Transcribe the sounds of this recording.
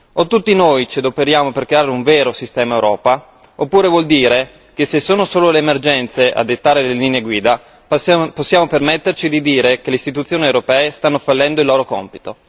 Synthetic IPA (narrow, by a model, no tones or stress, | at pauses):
ot̪ːut̪ːinojt͡ʃed̪opeɾjaːmoperkɾeaːɾeuɱveːɾosist̪ɛːmaewɾɔːpa | opːuːɾevwɔld̪iːɾe | kesesːoːnosoːloleːmerd͡ʒɛnt̪seʔa̰d̪et̪ːaːɾeleliːneeɡwiːd̪a | posːjaːmopermet̪ːert͡ʃid̪id̪iːɾekeleist̪it̪̬ut̪sːjoːniewɾopɛːest̪anːofalːɛnd̪oilːoːɾokɔ̰mpi̥t̪o